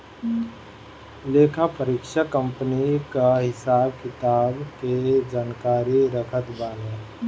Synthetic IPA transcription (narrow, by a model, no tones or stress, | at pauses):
leːkʰapəɾiːkʃakə̃mpənikaɦɪsaːbkɪt̪aːbked͡ʒaːnkaːɾiɾəkʰət̪baːleː